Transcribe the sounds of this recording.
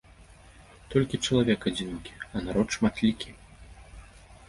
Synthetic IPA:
t̪ɔlʲkʲit͡ʂɐlˠavʲɛkad͡zʲinʲkʲi̥ɐnaɾɔt̪ʂmat̪lʲikʲʰi

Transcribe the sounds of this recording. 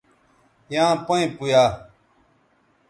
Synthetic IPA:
jãːpəĩpujaː

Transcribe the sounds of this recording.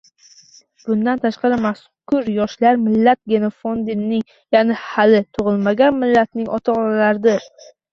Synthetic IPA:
b̥ʊnd̪ant̪ʰaʃqɑɾɪmas | kʊɾjɒʃlaɾmɪlːat̪̚ɡʲe̞nofond̪ɪnːɪŋ | janɪhalɪt̪ʰʊʁɨlˠmaɡʲanmɪlːat̪̚nɪŋʔɒt̪ʰɒalaɾɪd̪ɪɾ

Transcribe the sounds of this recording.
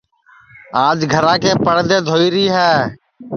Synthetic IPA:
aːd͡ʒɡʱəɾãːkeːpəɽd̪eːd̪ʱoːiːɾiːɦɛː

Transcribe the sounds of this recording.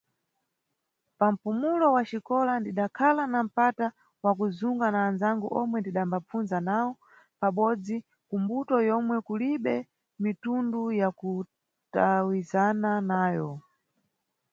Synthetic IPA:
pam̩pumulɔwat͡ʃikɔlandiɗakʰalanam̩pata | wak̬uzuŋɡanaːnzaŋɡuʔɔmwɛndiɗambap͡funzanawɔ | paɓɔd͡zi | kumbutɔjɔmwɛkuliɓɛ | mitundujaku | tawizananaːjɔ

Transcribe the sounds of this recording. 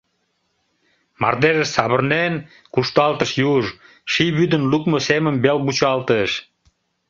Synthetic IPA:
mɑ̰rd̪eɾəʃsɑβərnen | kuʃt̪ɑlt̪əʃjuʒ | ʃiβyd̪ənlukmoseməmbelbut͡ɕɑlt̪əʃ

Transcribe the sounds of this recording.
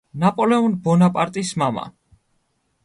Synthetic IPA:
napʼɔlɛɔnbɔnapʼaɾt̪ʼismama̰

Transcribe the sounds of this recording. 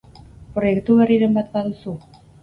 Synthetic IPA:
pɾojekt̪uβeriɾembat̪̚baðusu

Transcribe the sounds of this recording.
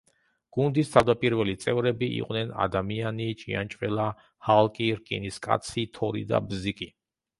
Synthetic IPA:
ɡ̥und̪ist̪ʰavd̪apʼiɾvɛlit̪sʼɛvɾɛbiʔḭqʼwnɛna̰d̪amianit͡ʃʼiant͡ʃʼvɛlˠa | halˠkʼiɾkʼḭniskʼa̰t̪sʰit̪ʰɔɾḭd̪a̰bzikʼi

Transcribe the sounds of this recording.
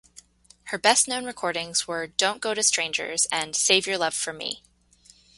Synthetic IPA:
hə˞bɛstⁿnõʊ̃nɹɨkʰɔɹɾɪ̃ŋz̥wə˞dõʊ̃nɡ̥oʊɾɨstɹ̥ẽɪ̃nd͡ʒə̰˞zɨ̃nseɪvjə˞lʌv̥fə˞mḭ

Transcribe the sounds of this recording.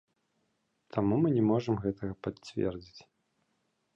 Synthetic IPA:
t̪ʰamumɨnʲɛmɔʐɐmɣɛt̪ʰɐɣɐpat͡sːʲvʲɛ̰rd͡zʲit͡sʲ

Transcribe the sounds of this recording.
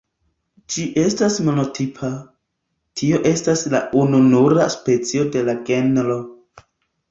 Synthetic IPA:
d͡ʒiʔe̞stasmo̞no̞tʰipʰa | tʰio̞ʔe̞stasla̰ununuɾa̰spe̞t͡sio̞de̞laɡe̞nɾo̞

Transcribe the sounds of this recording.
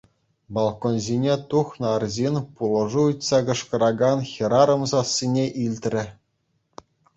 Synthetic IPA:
bɑlˠkonzʲinʲet̪uxnɤ̆ɑrzʲenʲpulˠɤ̆ʐuutʲsɑɡɤ̆ʂkɤ̆ɾɑɡɑnxʲĭɾɑɾɤ̆mzɑsʲːinʲeʔilʲt̪ʲrʲɘ̆

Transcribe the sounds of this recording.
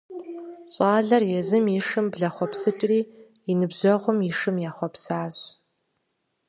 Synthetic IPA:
ɕʼaːɮɐrjɛzɨmiʂɨmbɮɐχʷɔpsɨʈ͡ʂʼriː | inɨbʑɔʁʷʊmiʂɨmjaːχʷɔpsaːz

